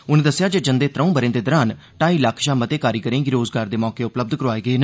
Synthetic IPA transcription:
ʊnːd̪əsːjaːd͡ʒeːd͡ʒənd̪eːt̪ɾəũːbəɾẽːd̪eːd̪əɾaːn | ʈaːiːlaːkʰʃaːmət̪eːkaːɾiːkəɾẽːɡɪɾoːzɡaːɾd̪eːmɔːkeːʊpləb̚d̪kəɾaːeːɡəeːn

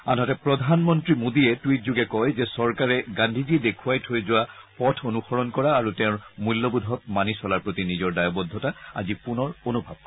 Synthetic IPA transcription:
a̰nɦɔtɛpɹɔdʱanmɔntɹimodiɛtwit̚zuɡɛkɔjzɛsɔɹkaɹɛɡãndʱizidekʰuwajtʰojzʊwapɔtʰonuxɔɹɔnkɔɹaːɹutɛʊ̃ɹmulːobud̪ʱɔk̚manisɔlaɹpɹotinizɔɹdajɔbɔd̪ʱːɔtaa̰zipunɔɹonubʱa̰b̚kɔ

